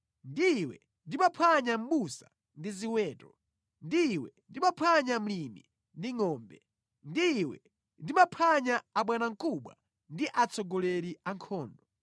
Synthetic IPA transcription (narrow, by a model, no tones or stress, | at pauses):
ndiwɛ̰ | ndimapʰaɲam̩ɓusa̰ | ndiziwɛːtɔ | ndiwɛndimapʰaɲam̩limḭ | ndiŋɔːmbɛ | ndiwɛ̰ | ndimapʰaɲaaɓwɛnaŋ̩kuɓwa̰ | ndiʔat͡sʰɔɡɔlɛɾiaŋkʰɔːndɔ